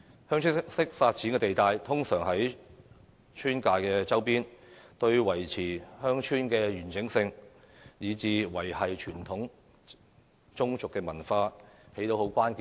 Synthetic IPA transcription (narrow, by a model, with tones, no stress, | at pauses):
hœː˥ŋt͡ʃʰyː˥sɪ˥k̚faː˧t̚t͡siː˨˥nkɛ˧t̪e˨jt̪aː˨jt̪ʰʊ˥ŋsœː˨˩ŋɦɐ˨˥j | t͡ʃʰyː˥nkaː˧jkɛː˧t͡sɐ˥wpiː˥nt̪ɵ˧ɥwɐ˨˩jt͡sʰiː˨˩hœː˥ŋt͡ʃʰyː˥nkɛː˧jyː˨˩nt͡sɪ˨˥ŋsɪ˧ŋ | jiː˨˧t͡siː˨˧wɐ˨˩jhɐ˨jt͡ʃʰyː˨˩nt̪ʰʊ˨˥ŋ | t͡ʃʊ˥ŋt͡sʊ˨kːɛː˧mɐ˨˩nfaː˧he˨˥jt̪o˨˥who˨˥wkʷaː˥nki˨